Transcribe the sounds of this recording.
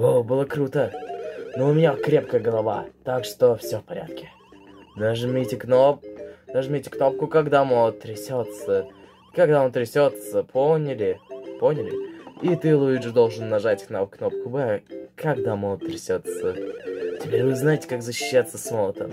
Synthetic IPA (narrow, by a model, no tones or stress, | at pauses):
obɨlˠəkɾut̪ənoʊmʲɪnʲakɾʲe̞pkəjəɡəlˠɐva̰t̪akʂt̪ofsʲofpɐɾʲa̰t̪̚kʲɪ̥ | d̪aʐɨmʲetʲɪknopd̪aʐmʲetʲɪknop̚kʊkɐɡd̪amolˠət̪ːɾʲɪsʲot̪sə | kɐɡd̪aont̪ɾʲɪsʲot̪səpʰonʲɪlʲɪponʲɪlʲɪit̪ɨlˠuiʐɨd̪o̞lˠʐɨnːɐʐatʲknamfknop̚kʊbɛkɐɡd̪amolˠət̪ːɾʲɪsʲot̪sətʲɪ̥pʲeɾʲvɨznajɪtʲɪ̥kakzəɕːɪ̥ɕːat̪sːəsmolˠət̪ə̰